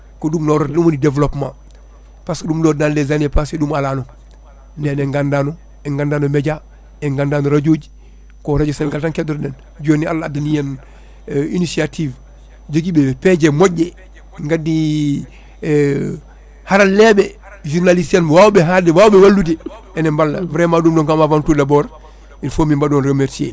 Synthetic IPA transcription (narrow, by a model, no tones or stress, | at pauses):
kodumnoɾodumonidevlopma̰ | pasdumdodanlezanepasedumalaːno | neneŋɡandano | eŋɡandaːnomeɟa | eŋɡandanoɾaɟoːɟ | koɾad͡ʒisanɡaltaŋkedoɾden | d͡ʒoːnia̰lːaadunijan | inisiatʰiv | d͡ʒoɡibeped͡ʒemoɟe | ŋɡadi | haɾalɛbe | ʒuɾnalisanwaːwbeɦadiwaːwbewalːudi | ɛnɛmbalːavɾemaduːmdɔŋkamavantudabɔɾ | infomimbadonɾemeɾtiḛ